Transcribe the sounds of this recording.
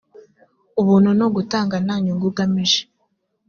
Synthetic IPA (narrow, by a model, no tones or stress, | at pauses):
uβuːn̥hunoɡutaːŋɡanaɲuŋɡuɡamiʒe̥